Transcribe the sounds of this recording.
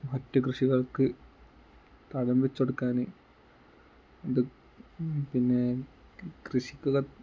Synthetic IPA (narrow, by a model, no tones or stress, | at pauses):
mɐtːɐkrɨʂiɣɐɭkɨ | t̪ɐɽɐmbet͡ɕːoɽukːaːne | ɐðɨ | pinːe | krɨʂikʲːuɣɐ